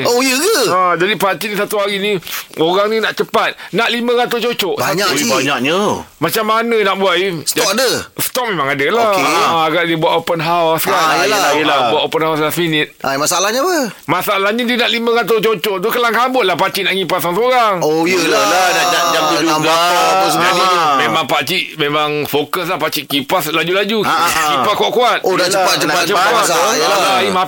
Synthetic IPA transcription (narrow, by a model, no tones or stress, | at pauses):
ojəɡəad͡ʒadipat͡ʃinĩsat̪uɦaɾinĩoɾaŋnĩnaʔt͡ʃəpat̪̚naʔlimə̃ɣat̪ot͡ʃot͡ʃɔʔbaaɲaibaɲak̚ɲəmat͡ʃamːanə̃naʔbuaʔisəd͡ʒɔadəsə̥t̪ɔp̚memaŋadəlaaɡaʔdiəbuaʔopənɦawskalaalaaəlabuaʔopənhawsasminɪt̪̚amasalahɲapə | masaːlahɲadinaʔlimə̃kat̪̬at͡ʃot͡ʃɔt̪ukəlaŋkabʊʔ̚lahpat͡ʃiʔnaʔŋipasaŋsoɾaŋojəlalanad͡ʒad͡ʒamt̪idudanaumemãŋpat͡ʃiʔmemaŋfokəslahpat͡ʃiʔkipaslad͡ʒulad͡ʒukipakuaʔkuat̪̚odat͡ʃəpatt͡ʃənat͡ʃəpaəlabaima